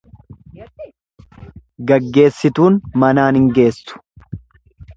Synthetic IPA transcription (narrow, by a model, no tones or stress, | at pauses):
ɡɐɡːe̞ːsːɪt̪uːnmɐnaːnɪŋɡe̞ːsːʊ̥